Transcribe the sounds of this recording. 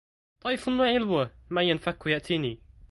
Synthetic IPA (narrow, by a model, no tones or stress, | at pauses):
t̪ˤɑjfʊnːuːʕɪlwamajanfakːjaʔt̪ʰiːniː